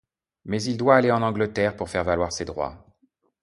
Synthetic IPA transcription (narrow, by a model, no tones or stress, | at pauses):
mɛzild̪waːleɑ̃nɑ̃ɡlət̪ɛʁpuʁfɛʁvalwaʁsed̪ʁwa̰